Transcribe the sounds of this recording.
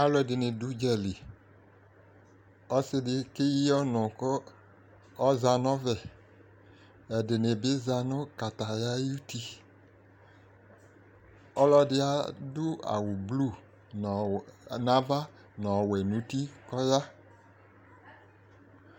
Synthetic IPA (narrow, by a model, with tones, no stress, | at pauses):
a˦lɔ˦ɛ˨dɪ˨nɪ˨du˦d͡ʒɛ˨li˨ | ɔ˦sɪ˦dɪ˨kɪ˦ji˦ɔ˦nɔ̃˨kɔ˦ | ɔ˦za˨nɔ˦vɛ˨ | ɛ˨dɪ˨nɪ˨bɪ˦za˨nʊ̃˦ka˨ta˨ja˦ju˦ti˦ | ɔ˦lɔ˦dɪ˦a˦dʊ˦a̰˨wʊ˨blu˦˨ | nã˦va˦ | nɔ˨wɛ˨nũ˨˦ti˦kɔ˦ja˦